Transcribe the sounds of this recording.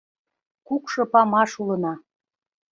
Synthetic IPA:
kukʃɤ̆pɑmɑʃulɤ̆nɑ

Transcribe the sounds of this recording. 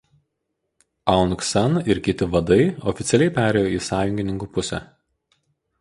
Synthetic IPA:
ɐˑʊnksɐnɪɾkʲɪt̪ʲɪʋɐd̪ɐɪɔfʲɪt̪sʲɛlʲɛɪpʲæːɾʲɛːjoːiːsɑːjʊŋʲɡʲɪnʲɪŋkuːpʊsʲɛ̰

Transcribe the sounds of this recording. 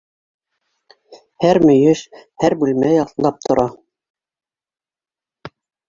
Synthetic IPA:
hæɾmɵ̆jɘʃhæɾbʉlmæjɑlˠɑp̚t̪ʰŏɾʔɑ

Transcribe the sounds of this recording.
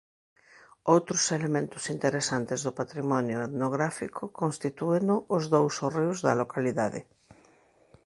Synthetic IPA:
owt̪ɾʊselemẽnt̪ʊsint̪eɾesant̪ezðʊpat̪ɾimɔnjʊeðnoɣɾafikʰʊkonst̪it̪uenʊʔʊzðowsoriwzðɐlokaliðaðɪ̰

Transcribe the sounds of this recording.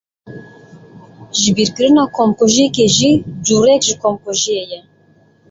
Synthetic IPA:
ʒɨbiːɾkɨɾɨnɑːkʰomkoʒiekeʒid͡ʒuːɾɛkʒɨkʰomkoʒijejɛ

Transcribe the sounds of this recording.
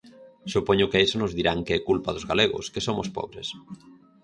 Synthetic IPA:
supoɲʊkeesonʊzðiɾaŋkeɛkulpaðʊzɣaleɣʊ̰skesomʊspɔ̰βɾes

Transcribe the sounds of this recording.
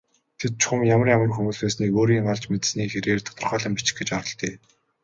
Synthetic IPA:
t̪ʰet̪̚t͡ɕʰχʊmjamə̆rjamə̆rxɵmuːɮæːsniːkoːɾiːŋɢaɮt͡ɕmet̪sniːxeɾeːrt̪ʰɔ̥t̪ɞ̆rχœːɮə̆mpit͡ɕɪ̥̆xɡet͡ɕaɾɞ̆ɮt̪eː

